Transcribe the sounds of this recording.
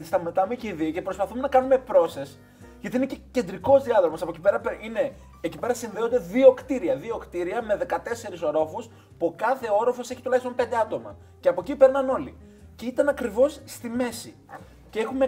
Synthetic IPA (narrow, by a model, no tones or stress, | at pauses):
t̪ist̪ɐmɐt̪ɐmeciiðioce̞pɾo̞spɐθume̞nɐkɐnume̞pɾo̞ses | ʝɐt̪inecece̞nd̪ɾiko̞zðiɐðɾomɐsɐpo̞cipeɾɐpeine̞ː | cipe̞ɾɐsinðeo̞nd̪e̞ðio̞kt̪iɾiɐðio̞kt̪iɾiɐme̞ðe̞kɐt̪e̞se̞ɾiso̞ɾo̞fus | pukɐθe̞o̞ɾo̞fo̞seçit̪ulɐçist̪opend̪e̞ɐt̪o̞mɐ̰ | ceɐpo̞cipe̞ɾnɐno̞li | ceit̪ɐnɐkɾivo̞sːt̪ime̞si | ceexume̞